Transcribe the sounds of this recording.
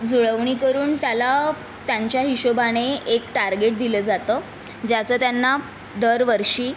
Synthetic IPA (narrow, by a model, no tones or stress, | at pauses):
d͡zuɭəʋɳ̃iːkəɾuːnt̪jala | t̪jaɲt͡ɕjaɦiɕobaɽ̃eekʈaɾɡeʈ̚d̪iləd͡zat̪əː | d͡ʑat͡səːt̪janːa | d̪əɾʋəɾʂiː